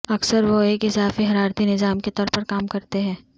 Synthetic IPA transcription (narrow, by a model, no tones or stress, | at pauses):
ɐksəɾʋoeːkɪzaːfiɦɐɾaːɾt̪inɪzaːmket̪ɔːɾpɐɾkaːmkɐɾt̪eɦɛ̃ː